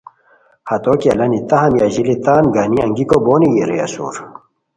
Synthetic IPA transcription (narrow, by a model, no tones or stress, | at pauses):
hɐt̪oːkiɐlɐnit̪ɐhɐmjaʑilit̪aːnɡaniɐŋɡikoboːnijeɾeɐ̰sṵːɾ